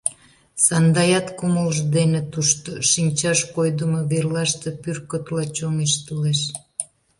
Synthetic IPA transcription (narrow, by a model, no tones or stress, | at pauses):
sɑnd̪ɑjɑt̪kuməlʒd̪enet̪uʃt̪oʃinʲt͡ɕɑʃkojd̪əmoβerlɑʃt̪e̽pyrkot̪lɑt͡ɕomeʃt̪uleʃ